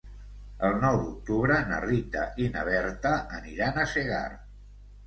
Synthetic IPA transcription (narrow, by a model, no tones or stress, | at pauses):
əlˠnɔwðuk̚t̪uβɾənə̰rit̪a̰ʔinəβ̞ɛɾt̪əʔəniɾanəseɣa̰ɾ